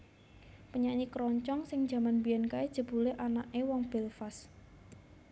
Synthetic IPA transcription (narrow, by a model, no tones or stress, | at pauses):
pəɲaɲikɾɔɲt͡ʃɔŋsɪŋ̥d͡ʒ̥a̤manbiɛnkaed̥ʒ̥ə̤b̥ṳleʔanaʔewɔŋb̥ɛlfas